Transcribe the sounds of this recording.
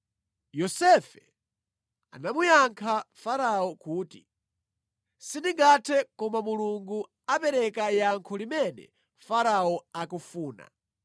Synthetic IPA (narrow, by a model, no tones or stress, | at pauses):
jɔsɛfɛ | anamujaŋkʰafaɾaɔkuːtḭ | sindiŋɡatʰɛkɔmamuluŋɡu | apɛɾɛkajaŋkʰɔlimɛnɛ̰ | faɾaɔakufuːna̰